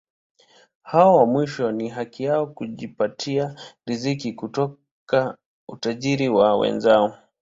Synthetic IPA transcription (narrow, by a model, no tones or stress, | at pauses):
haɔwamwiʃɔniɦakijaɔkuʄipatʰiaɾizikikutɔ | ka | utaʄiɾiwawɛ̰nzaɔ